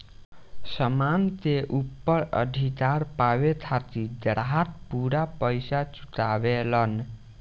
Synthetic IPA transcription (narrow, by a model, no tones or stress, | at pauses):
sʌmant̪eʔupːʌɾʌ̰d̪ʱikaɾpawet̪ʰat̪id̪ʌɾɦat̪̚puɾapʌjsat͡su̥t̪abelʌn